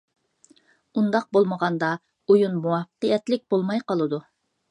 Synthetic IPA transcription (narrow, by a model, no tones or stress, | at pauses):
und̪ɑq̚bolˠməʁɑnd̪ɑ | ujunmuwɑfə̥qəjɛt̪lɪk̚ʲbolˠmɑjqɑlˠɨd̪u